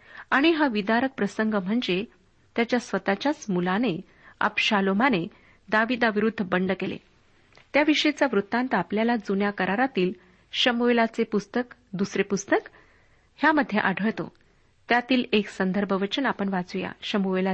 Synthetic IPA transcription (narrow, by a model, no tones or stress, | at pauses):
aɽ̃iɦaʋid̪aɾək̚pɾəsəŋɡəm̤əɳd͡ze | t̪jat͡ɕjasʋət̪at͡ɕjasmulane | ə̰bɕalomane | d̪aʋid̪aʋiɾud̪ʱːəbəɳɖkelḛ | t̪jaʋiʂəet͡sjaʋɾut̪ːãnt̪apljalad͡zunjakəɾaɾat̪iːl | ɕəmuelat͡sepust̪ək | d̪usɾepust̪ək | hjaməd̪ʱːjeʔaɖʱəɭt̪o̰ | t̪jat̪iːleksənd̪ʱəɾbʱəʋət͡ɕənapəɳʋad͡zuja̰ɕəmuʋela